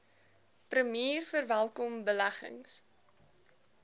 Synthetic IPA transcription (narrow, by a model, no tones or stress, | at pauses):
prəmiːrfərvælˠkɔmbəlæχə̰ŋs